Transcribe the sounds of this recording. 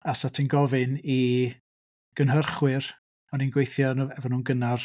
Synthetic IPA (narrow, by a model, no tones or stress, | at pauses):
asatʰinɡɔvɨni | ɡ̥ənɦərχwɪr | ɔninɡwejθjɔnɛvɔnuːnɡənar